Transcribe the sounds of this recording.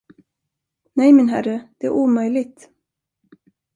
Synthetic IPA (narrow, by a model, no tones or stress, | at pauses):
nɛjmɪnɦæɾəd̪̥ɛæ̰ɾʔuːmœjlɪɡ̚t̪